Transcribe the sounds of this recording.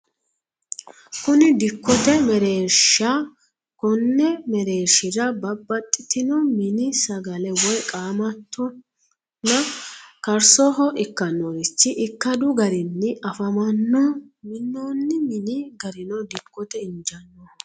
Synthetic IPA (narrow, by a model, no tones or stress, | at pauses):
kʊnɪd̪ɪkːɔt̪ɛmɛɾeːɾʃa | kɔnːɛmɛɾe̞ːɾʃɪɾɐbɐbːɐt̪ʼːɪt̪ɪnɔmɪnɪsɐɡɐlɛwɔjkʼaːmɐt̪ʰːɔ | nːɐkɐɾsɔɦɔʔɪkːɐnːɔɪt͡ʃːɪʔɪkːɐd̪ʊɡɐɾɪnːɪɐfɐmɐnːɔmɪnːoːnːɪmɪnɪɡɐɾɪnɔd̪ɪkːɔt̪ɛɪnd͡ʒɐnːɔ